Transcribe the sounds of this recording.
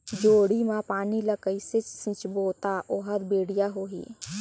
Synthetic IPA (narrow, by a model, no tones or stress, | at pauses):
d͡ʒoːɽimãpaːniləkəisɪt͡ʃsɪ̃t͡ʃboːt̪aʔoɦəɾbeːɽijaɦoːɦḭː